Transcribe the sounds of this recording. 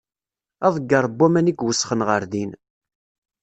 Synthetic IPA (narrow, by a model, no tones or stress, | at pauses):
ɑðˤəɡːɑɾˤbːæmæniɡwəsːχənʁəɾðin